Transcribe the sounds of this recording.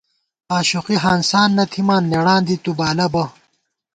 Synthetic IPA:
aːɕuqiɦaːnsaːnːɐt̪ʰimaːnːeɽãːnd̪it̪ubaːlɐbɐ

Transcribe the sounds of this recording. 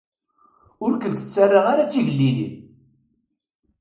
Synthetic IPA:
ʊɾkənt̪ə̥t͡sːarˤːaʁaɾat͡sːiʝəlːilḭn

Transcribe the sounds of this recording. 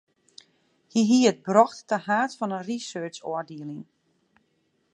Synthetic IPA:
hiɦiəət̚brɔxtːəhaːtfɔnənrisøːt͡ʃɔəɹdiəlɪŋ

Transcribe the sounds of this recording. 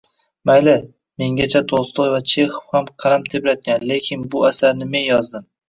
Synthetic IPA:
majlɪ | me̞ŋɡʲat͡ʃʰat̪ʰost̪ojvat͡ʃʰe̞χo̥fhamqʰɑɾamt̪ʰeplat̪̚ɡʲanle̞kʲʰɪnbʊasaɾnɪme̞njɒzd̪ɪm

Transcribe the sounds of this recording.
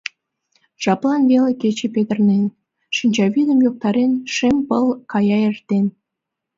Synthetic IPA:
t͡ɕɑplˠɑnveleket͡ɕepet̪ərnen | ʃənʲt͡ɕɑβid̪ə̆mjok̚t̪ɑɾenʃempəlˠkɑjɑert̪en

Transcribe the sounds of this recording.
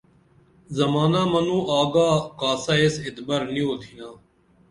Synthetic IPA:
zəmaːnaːmənũːʔaːɡaːkaːsaːesɪt̪bəɾnĩːoːt̪ʰiːnaː

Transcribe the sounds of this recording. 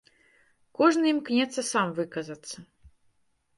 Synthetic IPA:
kɔʐnɨimknʲɛt̪sɐsamvɨkɐzɐt̪sːɐ

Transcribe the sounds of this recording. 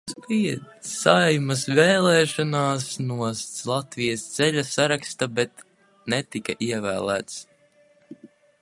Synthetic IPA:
spiɛt̪sajmɐsvɛːlˠɛːʃɔnaːsnuɔslˠat̪vijəst̪sɛʎʲasaɾakst̪abɛt̪ | nɛt̪ikaʔiɛvæːlˠæ̰ːt̪s

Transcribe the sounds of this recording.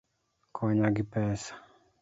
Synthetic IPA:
kʰɔɲaɡipɛsḁ

